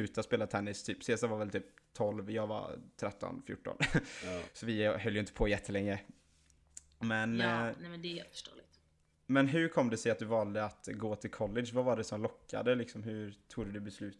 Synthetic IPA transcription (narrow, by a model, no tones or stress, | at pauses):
ʉ̟ːt̪aspeːlat̪ʰɛnːɪst̪ʰyːpseːsavaɾvɛlt̪ʰyːp̚t̪ʰɔlvjɑːɡva̰t̪ʰɾɛt̪ːɔ̰nfjʊ̰ʈːɔ̰n | sɔvɪɦœljʏɪnt̪ə̥pʰɔjɛt̪ʰːəlɛŋːɾə | mɛnnɛmɛnd̪ɛhḛlt̪fəʂʈo̰ːlɪt̪ | mɛnɦɵɾkʰɔmːd̪ɛsɛjat̪̚d̪ɵvɑːld̪əat̪ɡoːt̪ʰɪlkʰɔlːɪʂvavaɖɛsɔmlɔkːa̰d̪əlɪksɔmɦɵɾt̪ʰuːɡd̪ɵd̪ɵbɛslʉ̟ːt̪